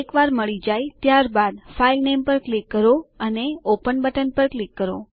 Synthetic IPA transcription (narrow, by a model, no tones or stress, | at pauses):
ekʋaɾməɭid͡ʒajt̪jaɾbad̪failnempəɾklikːəɾoəneopənbəʈənpəɾklikːəɾo̰